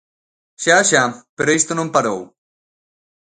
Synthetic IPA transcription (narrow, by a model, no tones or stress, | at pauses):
ʃaʃapeɾoist̪onõmpaɾow